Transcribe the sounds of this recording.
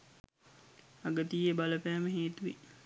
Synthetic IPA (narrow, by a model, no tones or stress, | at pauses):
aɡət̪iːebaləpæːməɦeːt̪uʋḭ